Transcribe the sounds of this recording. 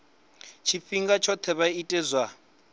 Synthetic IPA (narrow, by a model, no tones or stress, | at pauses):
t͡ʃʰifiŋɡat͡ʃʰɔt̪ʰɛβaitʼɛzwa